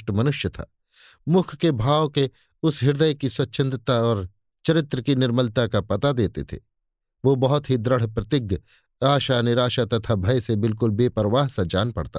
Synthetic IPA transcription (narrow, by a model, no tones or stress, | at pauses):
ʈəmɐnʊʃjət̪ʰa̰ː | mʊkʰkebʱaːʋke | ʊsɦɪɾd̪əjkiswɐt̪ːʃʰə̃nd̪ɾt̪aɔːɾ | t͡ʃɐɾɪt̪ɾəkinɪɾməlt̪akapɐt̪ad̪eːt̪ḛt̪ʰḛː | ʋoːbɐɦʊt̪ɦid̪ɾəɽ̤pɾɐt̪ɪɡ | aːʃanɪɾaːʃat̪ɐt̪ʰabʱɐjsebɪlk̬ʊlbeːpəɾəʋaːɦsad͡ʒaːnpɐ̰ɽt̪a̰